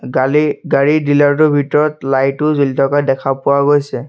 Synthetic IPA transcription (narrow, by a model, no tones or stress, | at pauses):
aiɡaɹidilaɹt̬ʊbʱitɔɹɔtlajtʊzolitʰɔkadɛkʰapʊwaɡojsɛ